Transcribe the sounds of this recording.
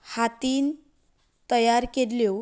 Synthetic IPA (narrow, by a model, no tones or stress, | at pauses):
hat̪iːn | t̪əjaɾkeɾljo